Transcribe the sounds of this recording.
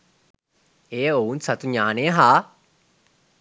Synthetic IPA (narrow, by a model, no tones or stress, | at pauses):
eːounsɐt̪uɲaːnejəɦaː